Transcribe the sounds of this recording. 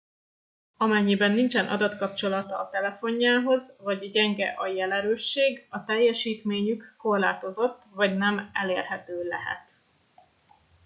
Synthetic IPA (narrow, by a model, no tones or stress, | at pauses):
ɒmɛɲːibɛnːint͡ʃɛnʔɒ̰d̪ɒt̪kɒp̚t͡ʃo̞lɒt̪ɒːt̪ɛlɛfo̞ɲːaːɦo̞zvɒɟɟɛŋɡɛʔɒjɛlɛɾøːʃːeːɡɒt̪ɛjːɛʃiːt̪meːɲykːo̞rlaːt̪o̞zo̞t̪ːvɒɟnɛmɛleːrɦɛt̪øːlɛ̰ɦɛ̰t̪